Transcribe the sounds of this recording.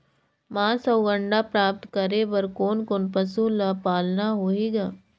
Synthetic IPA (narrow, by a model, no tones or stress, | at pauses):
mãːsɐːɡə̃ɳɖapɾaːp̚t̪kɐɾebɐɾkoːnkoːnpɐsulapaːlnaɦoːiːɡaː